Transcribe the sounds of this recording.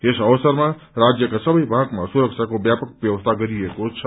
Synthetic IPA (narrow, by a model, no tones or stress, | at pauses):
esəʋsəɾmẽɾad͡ʒjəkesəbʱəibʱaɡmesuɾəkʃʰakobjapək̚ʋjəʋəst̪ʰaɡəɾiekot͡ʃʰ